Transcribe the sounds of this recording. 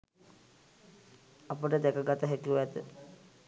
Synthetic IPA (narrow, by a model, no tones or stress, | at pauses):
apəʈəd̪ɛkəɡat̪əɦækiuæt̪ə